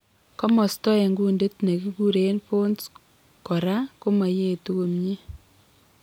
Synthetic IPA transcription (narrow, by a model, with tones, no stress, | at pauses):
kɔ˦mɔ˨stɔ˦ɛ˨ŋɡu˦nde˦tne˨ki˦ɡu˦ɾe˨˦npo˦ns | kɔ˨ɾa˦ko˦ma˨je˦˨tu˦ɡo˨mɲe˦